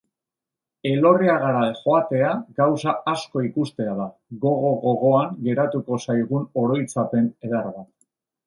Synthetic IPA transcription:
e̞lo̞riaɣaɾaʝo̞at̪e̞aɡawsaasko̞ikust̪e̞aðaɣo̞ɣo̞ɣo̞ɣ̞o̞aŋɡe̞ɾat̪uko̞sajɣ̞uno̞ɾo̞jt͡sape̞neðaɾβat

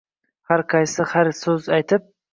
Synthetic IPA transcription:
haɾqʰɑjsɪhaɾsɵzajt̪ʰɪp̚

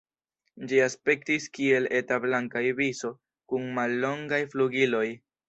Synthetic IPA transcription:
d͡ʒiaspe̞k̚tiskie̞letablaŋkajbiso̞ | kunmalːo̞ŋɡajfluɡilo̞j

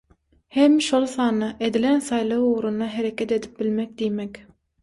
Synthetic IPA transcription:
hemːiʃolˠsɑːnːɑʔed̪ilensɑjlˠɑwuɣɾund̪ɑɦeɾekʰʲet̪e̞d̪i̥p̚bilmek̚d̪ijmekʲ

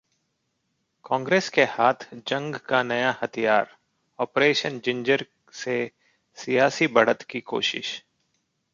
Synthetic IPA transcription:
kãːŋɡɾeːskehaːt̪ʰd͡ʒɐ̃ŋɡkanɐjahɐt̪ʰijaːɾ | ɔːpɾeːʃənd͡ʒɪ̃ɲd͡ʒəɾ | se | sijaːsibɐɽət̪kiko̰ːʃɪ̰ʃ

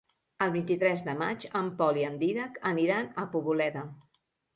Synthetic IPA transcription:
əlˠβint̪it̪ɾɛzðəma̰t͡ʃəmpɔliənd̪iðakəniɾanəpuβulɛðə

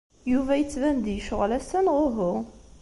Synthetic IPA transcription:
juvæjət͡sːvænd̪jəʃʁlæsənʁoɦʊʁ

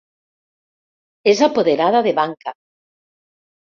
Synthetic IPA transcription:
ezapoðeɾaðaðeβaŋka

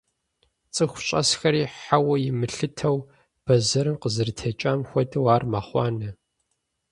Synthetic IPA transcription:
t͡sʼɨxʷʊɕʼɐ̰sxɐɾiːħawɐjɪmɨɬɨtʰɐw | b̥ɐzɐɾɨmqəzɨrtʰɐt͡ʃʼaːmxʷɔdɨwaːrmaːχʷɑ̰ːnɐ

